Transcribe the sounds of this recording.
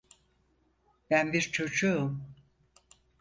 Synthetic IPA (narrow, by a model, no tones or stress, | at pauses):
b̥ænbiɾt͡ʃʰo̞d͡ʒuːm